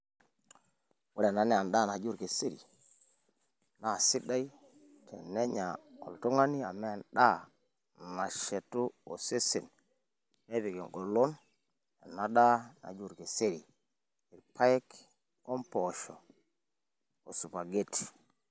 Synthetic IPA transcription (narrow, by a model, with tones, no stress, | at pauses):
wʊ˦lɛ˨na˨˦nɛ˨a˨nda˦˨na˨d͡ʒu˦ɾke˨se˦ɾḭ˨ | na˨si˦da˦i˦ | tɛ̰˨nɛ˦ɲa˨ɔ̰˨ltu˦ŋa˦ni˦a˨mɛ˦a˨nɗa˦ | na˨ʃɛ˨tu˦o˨se˦si˨n | me˦pi˨ke˨ŋɡo˨lo˦n | a˨na˦da˦na̰˨d͡ʒu˦˨ɾke˨se˦ɾi˨ | i˨pʰa˦jk | o˦mpɔ˨ʃɔ˨ | o˨su˨pa˨ɡe˦ti̥˨